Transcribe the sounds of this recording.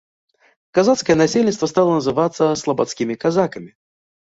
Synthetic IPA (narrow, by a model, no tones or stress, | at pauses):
kazat̪skəjənɐsʲelʲnʲɪst̪vəst̪alˠənəzɨvat̪sːəslˠəbɐt̪skʲimʲɪkazakəmʲɪ